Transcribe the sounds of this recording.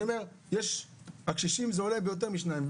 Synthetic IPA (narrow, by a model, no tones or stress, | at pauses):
omeʁ | jeʃ | akʃiʃimzeolebejot̬eʁmiʃnaim